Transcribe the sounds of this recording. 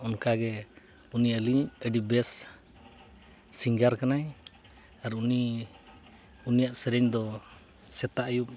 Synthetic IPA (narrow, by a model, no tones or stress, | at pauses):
ɔnkaɡɛ | uniəliɲəɖibɛs | iŋɡaɾkanaj | aɾuni | unijaʔsɛɾɛɲd̪ɔ | sɛt̪aʔjup̚